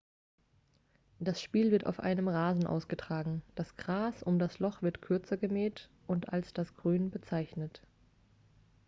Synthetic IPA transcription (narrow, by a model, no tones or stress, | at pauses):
d̥asʃpiːlvɪɐta̰ʊfʔa̰ɪnəmʁaːzn̩ʔa̰ʊsɡ̥ətʁ̥aːɡŋ̩d̥asɡ̥ʁaːsʔʊmdaslɔχv̥ɪɐtkʰʏɐt͡sɐɡəmɛːt | ʔʊnta̰lsd̥asɡ̥ʁyːnbət͡saɪçnət